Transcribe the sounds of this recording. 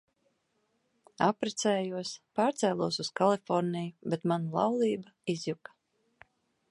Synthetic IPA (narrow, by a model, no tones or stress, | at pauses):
apɾɛt̪sɛːjuɔspaːɾt̪sɛːlˠuɔsuskalˠifɔɾnijubɛt̪manulˠa̰wlˠiːbaizjukḁ